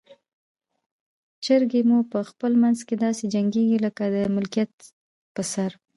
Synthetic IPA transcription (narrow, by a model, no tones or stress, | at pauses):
t͡ʃəɾɡemupəxpəlmanzked̪ɑsed͡ʒaŋɡeɡiləkad̪əmɪlkijat̪̚ | pəsaɾ